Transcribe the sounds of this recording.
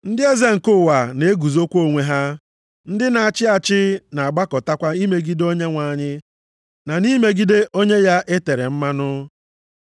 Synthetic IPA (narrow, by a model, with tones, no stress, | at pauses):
n̩˦dɪ˦e˦ze˦ŋ̩˨kʊ˦˨wa˨ne˦e˦ɡu˨zo˦kʷo˦˨ŋʷe˦ɦa˦ | n̩˦dɪ˦na˨a˨t͡ʃɪ˦a˨t͡ʃɪ˦na˨a˨ɡ͡ba˦kɔ˨ta˦kʷa˦i˦me˦ɡi˦do˦ɲe˦ŋʷa˨ɲɪ˦ | na˨ni˦me˦ɡi˦de˦ʔo˦ɲe˦ja˦ʔe˦te˨ɾe˨m̩˦ma˦nʊ˦